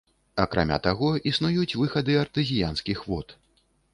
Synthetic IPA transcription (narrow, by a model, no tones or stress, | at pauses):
ɐkɾa̰mʲa̰t̪aɣɔisnujut͡sʲvɨxɐd̪ɨɐrt̪ɨzʲijanskʲixvɔt̪